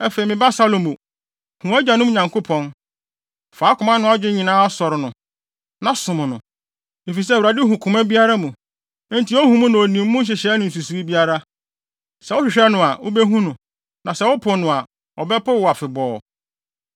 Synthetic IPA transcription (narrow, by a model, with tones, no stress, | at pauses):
ɛ˦fe˨i˨mɪ̃˨ba˦sa˦lõ˨mo˨ | hũ˨æ˦d͡ʑa˨nʊ̃˦m˦ɲã˨ŋkʰo˦pʰɔ̃˦n | faː˨˦kʰʊ̃˨mã˦nʊ̃˦a˦d͡ʑᶣɪ˦ɲĩ˨nãː˦ɔ˦sɔ˨ɾnʊ̃˨ | nã˨˦sʊ̃˨mʊ̃˨nʊ̰̃˨ | e˨fi˨s̬ɛ˦˨ɾa˨dɪ˦ɦũ˨kʰʊ̃˨mã˦bi˦a˦ɾa˦mũ˨˦ | nti˨˦ɔ˦hũ˨mũ˦nã˨ɔ˨nĩ˨m˦mʊ̃˦ɕ̬ɪ˨ɕɛ˦nʊ̃˨n̩˨s̬u˨su˨i˦bi˦a˦ɾa˦ | sɛ˨˦wʊ˦ɕᶣɪ˨ɕᶣɛ˦nʊ̃˨a˨ʊ̰˦bɛ˦ɦũ˦nʊ̃˨ | nã˨sɛ˦wʊ˦pʰʊ˨nʊ̃˨a˨ | ɔ˨bɛ˦pʊ˦wʊ˨a˨fɪ˨bɔː˨